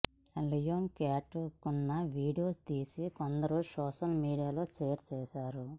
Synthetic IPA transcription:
ɐlijoːmkaːʈkunːɐʋiːɖijo̞ːst̪iːsikond̪ɐɾusɔːʂɐlmiːɽijaːlo̞ːt͡ʃeːjɾt͡ʃɛːʃaːɾu

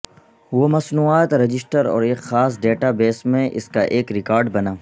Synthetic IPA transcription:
ʋomɐsnuːaːt̪ɾɐd͡ʒɪsʈəɾɔ̰ːɾeːkxaːsɖeːʈabeːsmẽʔɪ̰skaʔeːkɾɪkaːɾɖbɐnaː

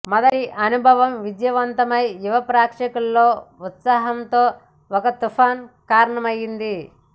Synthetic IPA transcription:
mɐd̪ɐɾiʔɐnubʱɐʋɐmʋid̪jɐʋɐnt̪ɐmɐjuʋɐpɾaːkʂɐkulːoːut̪saːɦɐmt̪o̞ː | ɔkɐt̪upʰaːnkaːɾɐɳɐmɐjind̪i

